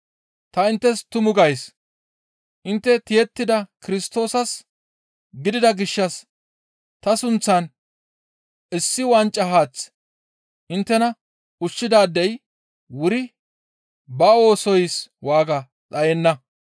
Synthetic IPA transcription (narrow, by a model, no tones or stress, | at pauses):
t̪ɐɪnt̪ːɛst̪ʊmʊɡɐjs | ʔɪnt̪ːɛt̪ɪjɛt̪ːɪd̪ɐkɪɾɪst̪o̞ːsɐs | ɡɪd̪ɪd̪ɐɡɪʃːɐs | t̪ɐsʊnt͡sːɐn | ʔɪsːɪwɐnt͡ʃʼːɐɦaːt͡s | ʔɪnt̪ːɛnɐ | ʊʃːɪd̪aːd̪ːɛj | wʊɾɪ | bɐo̞ːsɔjswaːɡɐ | t͡sʼɐjɛnːɐ